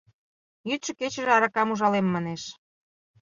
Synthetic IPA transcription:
jyt̪ʃɤ̆ket͡ɕə̆ʒĕɑɾɑkɑmuʒɑlemːɑneʃ

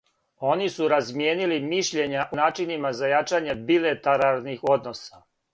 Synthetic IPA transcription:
o̞nisuɾazmjeːnilimiʃʎeɲaʔonaːt͡ʃinimazajat͡ʃaɲe̞bilet̪aɾaɾnixo̞d̪no̞sa

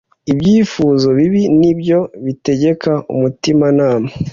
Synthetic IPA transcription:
ibjiːfuːzo̞βiβinibjo̞βite̞ɟe̞kaʔṵmutimanaːma

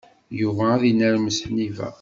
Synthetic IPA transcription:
juvæːðinæɾməsnivæ̰

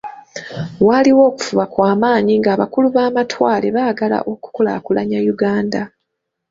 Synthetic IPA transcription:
waliwo̞ːku̥fuβakwaːmaːɲiŋɡaːβakuluβaːmatʰwaːle̞βaːɡala̰ʔo̞ku̥kola̰kulaɲajuɡaːnda

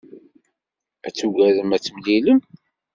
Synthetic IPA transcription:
æt͡sːuɡæðəmæt͡sːəmliləm

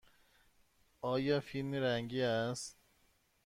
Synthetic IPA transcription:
ʔɒːjɒːfilmiɾæŋɟiːæst̪

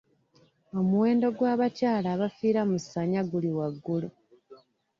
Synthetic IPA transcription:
o̞muwe̞ːndo̞ɡwaːβacaːlaːβafiːɾamusaɲaɡuliwaɡːulu

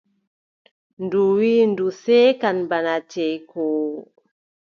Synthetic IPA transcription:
nduwiːndusɛkanbanat͡ʃɛjko

